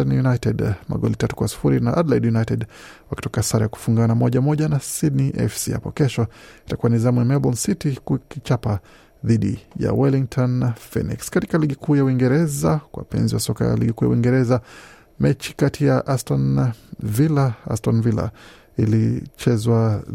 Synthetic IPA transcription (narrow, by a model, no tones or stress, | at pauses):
anjunajtɛdma̰ɠɔlitatu̥kwasi̥fuɾinaʔadlajdjunajtɛd | waki̥tɔkasaɾajaku̥fuŋɡanamɔʄamɔʄanasidniʔɛ̰fsḭha̰pɔ̰kɛʃɔitakuwanizamuɛmɛbɔlnsitikukit͡ʃapa | ðiɗḭja̰wɛliŋtʰɔnːafɛ̰nḭkskatikaliɠikʰuːjauwiŋɡɛɾɛzakwa̰pɛ̰nziwasɔka̰ja̰liɡikuːja̰uwiŋɡɛɾɛza | mɛt͡ʃi̥katʰijaʔastɔnvilaa̰stɔnvila̰ | ilit͡ʃɛzwa